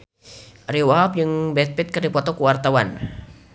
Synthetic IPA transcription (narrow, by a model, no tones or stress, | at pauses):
ɾiwaɦap̚d͡ʒɨŋbɛt̪̚pɛt̪̚kɨrdipɔt̪ɔkuwart̪awan